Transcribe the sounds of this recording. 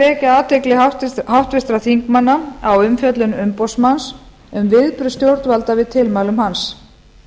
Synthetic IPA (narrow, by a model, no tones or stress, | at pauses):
ɛːcaaːt̪eklɪɦawht̪vɪst̪ɾaθiŋkmanːaawʏmfjœt̪lʏnʏmpɔwsmans | ʏmvɪðpɾʏst̪jowɾt̪valt̪avɪðt̪ʰɪlmaːwlʏmhans